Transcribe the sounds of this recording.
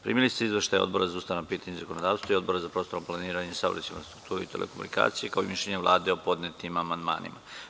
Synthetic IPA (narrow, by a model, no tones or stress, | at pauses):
pɾḭmilist̪eizʋeʃt̪ajod̪bo̞ɾazaust̪anapiːt̪aɲezakonod̪aːʋst̪ʋaio̞d̪bo̞ɾazapɾost̪o̞ɾomplˠaniːɾaɲesaʋɾḛt͡ɕiɱfɾast̪ɾukt̪uːɾeit̪elʔḛkomunika̰ːt̪sijekaoimiʃʎʲeɲeʋlˠʔa̰ːd̪eo̞po̞d̪net̪imamand̪ma̰ːnḭma